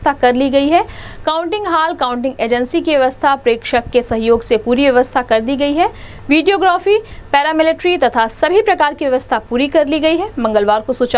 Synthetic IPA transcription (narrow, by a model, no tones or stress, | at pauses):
t̪ʰakɐɾliɡɐiɦɛkaːʊ̃ɳʈɪ̃ŋɡɦaːlkaːʊ̃ɳʈɪ̃ŋɡeːd͡ʒə̃nsikiʋjɐʋəst̪ʰapɾeːkʃəkːesɐɦjoːɡsepuːɾiʋjɐʋəst̪ʰakɐɾd̪iɡɐiɦɛ | ʋiːɖijoːɡɾaːfiːpɛːɾamɪlɪʈɾit̪ɐt̪ʰasɐbʱipɾɐkaːɾkiʋjɐʋəst̪ʰapuːɾikɐɾliɡɐiɦɛmɐ̃ŋɡəlʋaːɾkosut͡ʃ